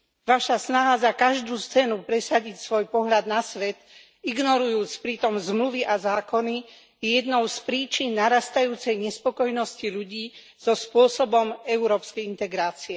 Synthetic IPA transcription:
ʋaʃasnaɦazakaʒd̪uːst͡sɛnupɾɛsaɟicsʋɔjpɔɦʎad̪nasʋɛt̪ | iɡnɔɾujuːt͡spɾit̪ɔmzmluʋiʔazaːkɔni | jɛjɛd̪nɔʊspɾiːt͡ʃinːaɾast̪ajuːt͡sɛjɲɛspɔkɔjnɔsciʎuɟiː | z̥ɔspʊɔsɔbɔmɛuɾɔːpskɛjint̪ɛɡɾaːt͡siɛ

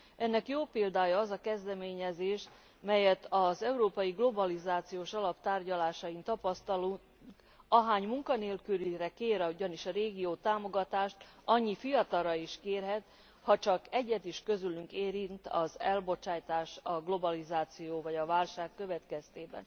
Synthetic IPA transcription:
ɛnːɛkjoːpeːld̪aːjɒːzɒkɛzd̪ɛmeːɲɛzeːʃ | mɛjɛt̪ʰɒzɛuɾoːpɒjiɡlo̞bɒlizaːt̪sijoːʃɒlɒpt̪aːrɟɒlaːʃɒjint̪ɒpɒst̪ɒlu | ŋk | ɒɦaːɲmuŋkɒneːlkyɾiɾɛkeːɾɒuɟɒniʃɒɾeːɡijoːt̪aːmo̞ɡɒt̪aːʃt̪ɒɲːifijɒt̪ɒrɒiʃkeːrɦɛt̪ | hɒt͡ʃɒkɛɟːɛt̪iʃkø̞zylyŋkeːɾint̪ɒ̰zɛlbo̞t͡ʃaːjt̪aːʃɒɡlo̞bɒlizaːt̪sijoːvɒɟɒvaːlʃaːkːø̞vɛt̪kɛst̪eːbɛ̰n

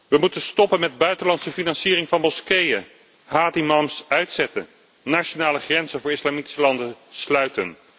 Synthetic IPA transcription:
ʋəmutənstɔpənmɛd̚bœɥtənlɑntsəfinɑnsiːrɪŋvɑnmɔskejə | ɦaːdimɑmsœɥtsɛtə̰n | naːʃonaːləχrɛnzənvʊːɹɪslaːmiti̥səlɑndəslœɥtən

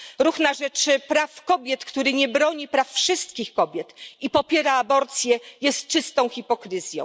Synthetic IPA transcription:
ɾuxnaʐɛt͡ʂpɾafkɔbʲjɛt̪kt̪uɾɘɲɛbɾɔɲipɾafːʂɘst̪kʲixkɔbʲjɛt̪ipɔpʲjɛɾaːbɔɾt̪sʲjɛjɛst̪̚t͡ʂɘst̪ɔ̃w̃xʲipɔkɾɘzʲjɔ̰̃w

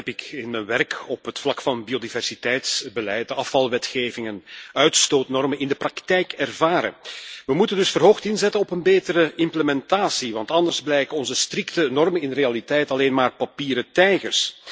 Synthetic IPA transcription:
ɛpɪkɪnmənʋɛrkɔpɦətflɑkfɑnbiodivɛrsitɛjtsbəlɛjt̚dəɑfɑlˠʋɛtxeːvɪŋənœɥtstoːtnɔrmənɪndəprɑktɛjkɛrvaːɾə̰ʋəmutəndɵsfərɦoːxtɪnzɛtənɔpənbeːtəɾəɪmpləmɛntaːsiʋɑntɑndərzblɛjkəɔnzəstrɪktənɔrmənɪnrealitɛjtɑleːnmaːrpapiːɾətɛjɣərs

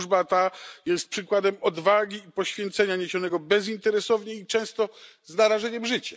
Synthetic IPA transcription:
ʐbat̪ajɛst̪̚pʂɘkwad̪ɛmɔd̪vaɡʲiːpɔɕfʲjɛnt̪sɛɲaɲeɕɔnɛɡɔbɛzint̪ɛɾɛsɔvɲɛit͡ʂɛ̃st̪ɔznaɾaʐɛɲɛmʐɘt͡ɕɛ̥

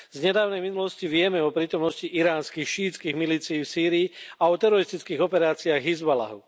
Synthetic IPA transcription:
zɲɛd̪aːʊnɛjminulɔsciʋɪɛmɛɔpɾiːt̪ɔmnɔsciʔiɾaːnskixʃiːt͡skiɣmiliːt͡siːfsiːɾiːaɔt̪ɛɾɔɾist̪it͡skiːɣɔpɛɾaːt͡siaːɣɦizbala̰ɦu

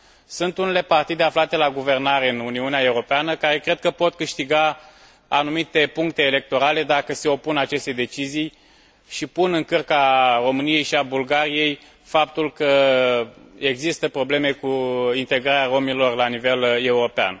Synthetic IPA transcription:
sunt̪unele̞part̪id̪e̞aflat̪e̞laɡuve̞rnaɾe̞ɨnuniuneae̞uɾo̞peanəkaɾe̞kɾe̞d̪̚kəpo̞t̪kɨʃt̪iɡa | anumit̪e̞puŋkt̪e̞ːle̞k̚t̪o̞ɾale̞d̪akəse̞o̞punat͡ʃe̞st̪e̞d̪e̞t͡ʃizij | ʃipunɨŋkɨrkaro̞mɨnije̞jʃiabulɡaɾije̞j | fap̚t̪ulkə | eɡzist̪əpɾo̞ble̞me̞kuint̪e̞ɡɾaɾeaɾo̞milo̞rlanive̞le̞uɾo̞pea̰n

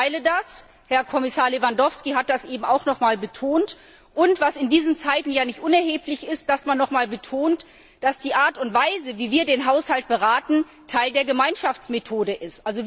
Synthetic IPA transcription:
ɪlədas | hɛɐkʰɔmɪsaːɐlevandɔfskiɦat̚d̥asʔeːbm̩aʊxnɔχmaːlbətʰoːnt | ʔʊntv̥asɪndiːzən̩t͡saɪtn̩jaːnɪçtʔʊnɛɐɦeːplɪçɪst̚d̥asmanːɔχmaːlbətʰoːnt | d̥asd̥iːʔaːɐtʊntv̥aɪzəviːviːɐdeːnɦaʊshalt̚b̥əʁaːtn̩ | tʰaɪldeːɐɡəmaɪnʃaft͡smetʰoːdəʔɪstʔalzo

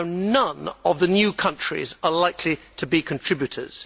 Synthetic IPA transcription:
ʊnʌ̃nəvðənjʉːkʰʌ̃nt͡ʃɹ̥ḭzəlaɪkʰlitʰəbikʰə̃ntʰɹ̥ɪbjʉtʰə̰z̥

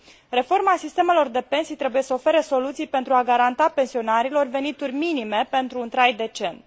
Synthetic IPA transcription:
ɾe̞fo̞rmaasist̪e̞me̞lo̞rd̪e̞pe̞nsijt̪ɾe̞buje̞səofe̞ɾeso̞lut̪sijpe̞nt̪ɾuaɡaɾant̪ape̞nsio̞naɾilo̞rve̞nit̪urʲminime̞pe̞nt̪ɾuːnt̪ɾajd̪e̞t͡ʃe̞n

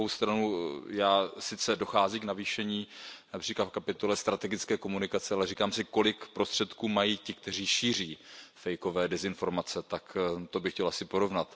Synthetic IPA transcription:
owst̪ɾanujaːsɪt͡sɛdo̞xaːziːknaviːʃɛɲiːnapr̥iːklat̪fkapɪt̪o̞lɛst̪ɾat̪ɛɡɪt͡skɛːko̞munɪkat͡sɛalɛriːkaːmsɪko̞lɪkpɾo̞st̪r̝̥ɛt̪kuːmajiːcɪk̚t̪ɛr̝iːʃiːr̝iːfɛjko̞vɛːdɛzɪnfo̞ɾmat͡sɛt̪akt̪o̞bɪxcɛlʔasɪpo̞ɾo̞vnat̪

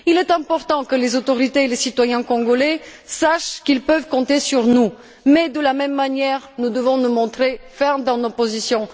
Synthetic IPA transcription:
ilɛt̪ɛ̃pɔʁt̪ɑ̃kəlezot̪oʁit̪eːlesit̪wajɛ̃kɔ̃ɡolɛsaʃkilpœvkɔ̃t̪esyʁnu | mɛd̪əlamɛmːanjɛʁnud̪əvɔ̃numɔ̃t̪χefɛʁd̪ɑ̃nopozisjɔ̃

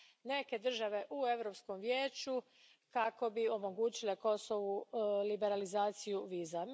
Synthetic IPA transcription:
ne̞ke̞d̪r̩ʒaʋe̞ʔue̞ʋɾo̞ːpsko̞mʋjeːt͡ʃu | kako̞bio̞mo̞ɡuːt͡ɕile̞ko̞so̞ʋulibe̞ɾalizaːt̪sijuʋiːza

